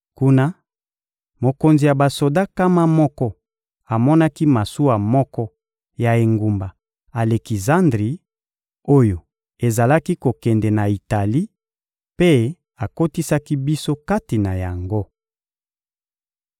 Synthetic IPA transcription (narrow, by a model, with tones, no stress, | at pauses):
ku˦na˦ | mo˨ko˨nzi˨ja˨ba˨so˨da˦ka˦ma˦mɔ˦kɔ˦ | a˨mɔ˦na˦ki˦ma˨su˦wa˨mɔ˦kɔ˦ | ja˨e˨ŋɡu˨mba˨ | a˨le˨ki˨za˦ndʁi˨˦ | o˦jo˨ | e˨za˨la˦ki˦ko˨kɛ˨ndɛ˨na˨i˨ta˨li˦ | pe˦ | a˨ko˦ti˦sa˦ki˦bi˦so˦ka˦ti˨na˨ja˨ŋɡo˦